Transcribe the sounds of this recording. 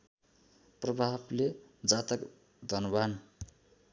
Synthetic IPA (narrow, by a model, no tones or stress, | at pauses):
prʌbʱabled͡zat̪ʌk | d̪ʱʌnban